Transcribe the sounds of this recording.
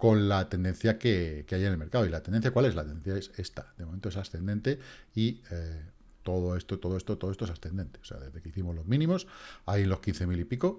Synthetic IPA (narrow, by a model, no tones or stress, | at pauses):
ko̞nlat̪e̞nd̪ẽ̞nθjakekeajenelme̞ɾkaoilat̪end̪enθjakwale̞zlat̪end̪enθjae̞se̞st̪ad̪emomẽnt̪oe̞sasθe̞ne̞nt̪e̞i | t̪o̞ðoe̞st̪ot̪o̞ðoest̪o̞t̪oest̪oesasθe̞nd̪e̞nt̪eosea̰ðezðe̞keiθimo̞zlo̞zmĩnĩmo̞sajenlo̞skin̟θe̞milipiko̞